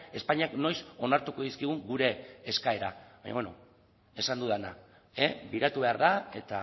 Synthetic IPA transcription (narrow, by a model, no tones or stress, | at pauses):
e̞spaɲiakno̞jso̞naɾt̪uko̞ðiskiɣ̞uŋɡuɾe̞ːskae̞ɾaβa̰ɲa̰βweno̰ | e̞sand̪uðana | ebiɾat̪uβe̞aɾðae̞t̪a